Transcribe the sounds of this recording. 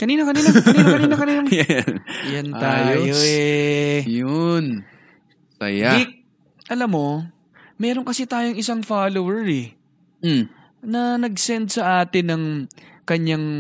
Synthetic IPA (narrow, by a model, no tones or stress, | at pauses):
kɐniːnokɐniːnoniːkɐniːnokɐniːnoŋ | jɐnt̪aːjojoɛjon | sɐ̰jaɪk̚ | ʔɐlɐmːo̞ | mɛːɾoŋkɐsɛt̪aːjoŋʔɪsaŋfaːlowɛɹɛ | nɐnɐɡ̚sɛnd̪̚sɐʔaːt̪ɪnɐŋkɐɲːaŋ